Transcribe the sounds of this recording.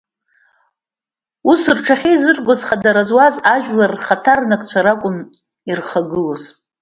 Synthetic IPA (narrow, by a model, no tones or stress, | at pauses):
usrʈ͡ʂʰaχʲizɨrʼɡʷozχadaɾazwazaʒᶣlarːχatʰarnakʼt͡ɕʷʰaɾakʷʼʊm | irχaɡɨlo̞z